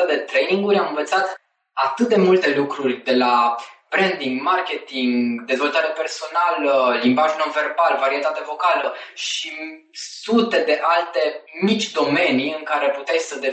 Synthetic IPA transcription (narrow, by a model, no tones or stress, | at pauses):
əd̪e̞t̪ɾejniŋɡuɾʲamɨ̃nvət̪sat̪ | at̪ɨt̪̚d̪e̞mult̪e̞lukɾurʲd̪e̞lab̥ɾend̪iŋɡmarkʲe̞t̪iŋɡd̪e̞zvo̞lt̪aɾepe̞rso̞naləlimbaʒno̞nve̞rbalvaɾie̞t̪at̪evo̞kaləʃi | sut̪e̞d̪e̞ʔalt̪e̞mit͡ʃʲd̪o̞me̞niɨŋkaɾe̞put̪esəd̪e